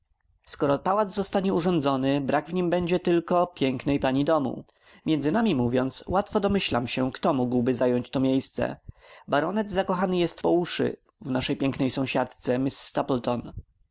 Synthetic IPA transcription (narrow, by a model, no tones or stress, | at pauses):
skɔɾɔpawad̪zzɔst̪aɲɛuʐɔnd̪zɔnɘbɾaɡvɲimbɛɲd͡ʑɛt̪ɘlkɔpʲjɛŋknɛjpaɲid̪ɔmṵ | mʲjɛndzɘnamʲimuvʲjɔnt̪swat̪fɔd̪ɔmɘɕlamɕɛkt̪ɔmuɡwbɘzajɔɲt͡ɕt̪ɔmʲjejst̪sɛ̰baɾɔnɛd̪zakɔxanɘjɛst̪pɔuʂɘ̰ | vnaʂɛjpʲjɛŋknɛjsɔ̃w̃ɕat̪t̪sɛmʲissːt̪aplt̪ɔn